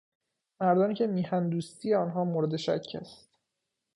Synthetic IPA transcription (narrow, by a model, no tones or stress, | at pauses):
mæɾd̪ɒːniːcʰe̞miːhænd̪uːst̪ʰijeɒːnɦɒːmoɾed̪e̞ʃæ̰cʰːæ̰st̪